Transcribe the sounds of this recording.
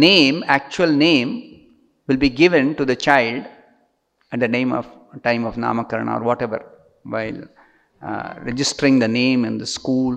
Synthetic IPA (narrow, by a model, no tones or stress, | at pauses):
nẽːmæk̚t͡ʃuəlnẽːm | ʋɪlbiːɡɪʋə̃nʈud̪ət͡ʃaɪlɖ | ɛʈ̚d̪ənẽːmɔ̰ʋ | ʈãɪ̃mɔʋnã̰ːməkəɾɳa̰ɔ̰ːɾʋɔːʈɛʋə̰ɾ | ʋaɪl | ɾɛd͡ʒɪsʈɾɪ̃ŋd̪ənẽːmɪ̃nd̪əskuːl